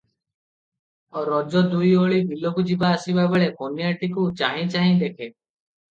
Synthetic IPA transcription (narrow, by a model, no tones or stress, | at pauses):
ɔɾɔd͡ʒɔd̪ujoɭid̪ilːokud͡ʒibaəsibabeɭekonjaʈikut͡ʃaɦĩt͡ʃaːɦĩːd̪ekʰe